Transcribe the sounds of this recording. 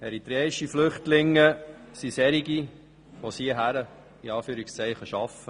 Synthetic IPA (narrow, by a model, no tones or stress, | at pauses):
ɛɾit̪ɾɛːɪʃiflʏχtlɪŋːəsisɛɾiɡi | ʋosiəɦæɾə | iɑːfyːɾɪkst͡sɛɪχəʃɑfə